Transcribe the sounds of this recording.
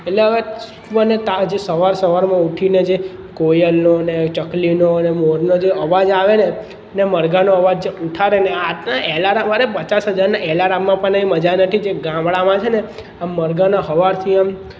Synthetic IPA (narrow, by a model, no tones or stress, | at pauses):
eʈleɦəʋe | uənet̪ad͡ʒesəʋaɾsəʋaɾmãuʈʰined͡ʒe | kojəlnonet͡ʃəklinonemoɾnod͡ʒeəʋad͡ʒaʋene | neməɾɡanoəʋad͡ʒd͡ʒuʈʰaɾeneanaʔɛlaɾaʋaɾepət͡ʃasɦəd͡ʒaɾnaʔɛlaɾamːãpəɳnəĩməd͡ʒanət̪ʰid͡ʒeɡãmbɭamãt͡ʃʰene | aməɾɡanaɦəʋaɾt̪ʰiam